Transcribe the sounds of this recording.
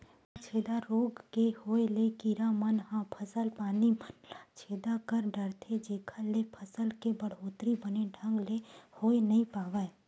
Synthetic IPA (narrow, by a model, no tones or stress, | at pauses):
t͡ʃʰeːd̪aɾoːɡkehoːelekiɾamənhãpʰəsəlpaːnit͡ʃʰeːd̪akəɾɖəɾt̪ʰed͡ʒeːkʰəlːepʰəsəlkebəɽ̤ɦoːt̪ɾibəneɖʱə̃ŋɡlehoːenɐĩpaːʋae